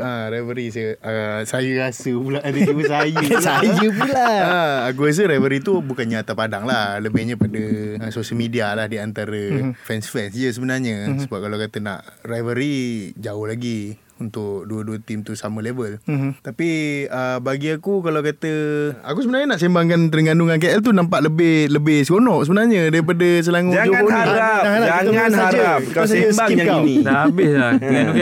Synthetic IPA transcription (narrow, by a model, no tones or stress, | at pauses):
əɾajvəɾis̬əəsajəɾasəpulaʔdəiməsajəsajəpulaəak̬uas̬əɾajvəɾit̪ubukanɲaat̪apadaŋlahləmɛɲəpadəəsosəlmidialahdiant̪aɾəfɛnsfɛnsd͡ʒəsəbənarɲəsəbap̚kalawkat̪əna̰ʔrajvəɾid͡ʒaʊhlaɡi | unt̪ʊʔduəduət̪imt̪usaməlebəlt̪apiəbaɡiakukalawkat̪əakusəbənaɲənaʔsembaŋkant̪əɾəŋɡanduŋank̬eɛlt̪̬unampaʔləbɪhləbɪhsəɡonɔʔsəbənarɲədaɾip̬adəs̬əlaŋud͡ʒaŋaɾaaŋalaaaəaaaɾaaasajəmakanibɪslaa